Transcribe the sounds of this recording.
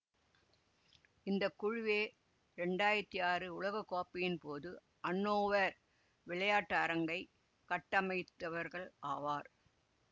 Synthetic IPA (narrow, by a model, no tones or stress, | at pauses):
ɪnd̪ɐkːʊɻʊʋeː | ɾɛɳɖaːjɪɾɐt̪ːiaːɾɯʊɭɐɣɐkːoːpːɪjɪnpoːðɯ | ʔɐɳːoːʋɐɾ | ʋɪɭɐjaːʈːɐːɾɐŋɡɐɪ | kɐʈːɐmɐɪt̪ːɐʋɐɾɣɐɭʔaːʋaːɾ